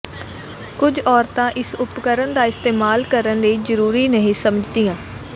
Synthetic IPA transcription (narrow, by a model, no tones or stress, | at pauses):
kʊd͡ʒɔːɾt̪ãːʔɪsʊpkəɾənd̪aːɪst̪eːmaːlkəɾənləiːzəɾuːɾiːnəɦĩːsəməd͡ʒd̪iːjãː